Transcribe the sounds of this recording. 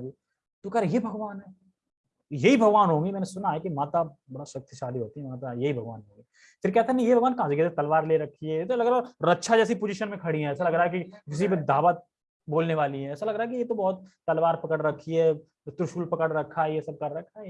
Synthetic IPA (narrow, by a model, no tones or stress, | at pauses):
ɡi | t̪okɐɾjebʱɐɡʋaːnɦɛː | jɐɦibʱɐɡʋaːnɦõːɡimɛ̃ːnesʊnaɦɛkimaːt̪abɐɽaswɐk̚t̪jʃaːliɦoːt̪iɦɛmaːt̪ajɐɦibʱɐɡʋaːnɦõːŋɡiː | fʰɪɾkɛɦt̪aɦɛñjebʱɐɡʋaːnkãːseket̪ʰet̪ɐlʋaːɾleːɾɐkʰːiɦɛjet̪olɐɡɾaɾɐtːʃʰad͡ʒɛːs̬ipʊd͡ʒiʃənmẽkʰɐɽiɦɛ̃ɛːsalɐɡɾaːɦɛkikɪs̬ibd̪aːʋət̪̚ | boːlneʋaːliɦɛ̃ɛːsalɐɡɾaːɦɛk̬ijet̪obɔːt̪ːɐlʋaːɾpɐkəɽɾɐkʰːiɦɛː | t̪ɾʊʃuːlpɐkəɽɾɐkʰːaɦɛjesɐb̚kɐɾːɐkʰːaɛ